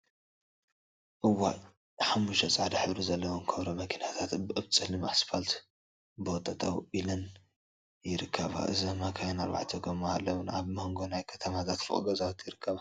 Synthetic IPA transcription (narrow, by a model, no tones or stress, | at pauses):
ʔɨwa̰ | ħamːuʃɐt͡sʼaʕd̪ɐħɨβɾizɐlːɐwomkʰɐβɾomɐkʰinat̪ʰat̪bɨɨβt͡sʼɨlɨmasfalt̪ | bɨwɔt̪ʼɐt̪ʼawʔilɐn | jɪɾɨkʰːɐβa̰ʔɨzɐmakʰajonaɾba̰ʕt̪ʰɐɡɐmːahalːɐwunaβmoŋɡo̞najkʰɐ̥t̪ʰɐmat̪ʰat̪fɨ̰χʼɡɐzʼawit̪jɪɾɨkʰːɐβa